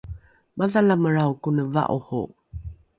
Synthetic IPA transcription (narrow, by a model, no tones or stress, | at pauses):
mʔaðalaməɾawkunəva̰ʔuhṵ